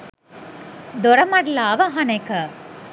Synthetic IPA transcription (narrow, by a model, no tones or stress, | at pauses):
d̪ɔɾɐmɐɽlaːʋɐɦɐnekɐ